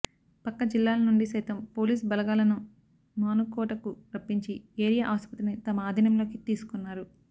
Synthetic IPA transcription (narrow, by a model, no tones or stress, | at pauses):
pɐkːɐd͡ʒilːaːlɐnuɳɖisɐjt̪ɐmpo̞ːliːs̬bɐlɐɡaːlɐnu | maːnukɔːʈɐkuɾɐpːiɲt͡ʃieːɾijɐʔaːspɐt̪ɾinit̪ɐmɐaːd̪ʱinɐmlo̞ːkit̪iːsu̥kunːaːɾu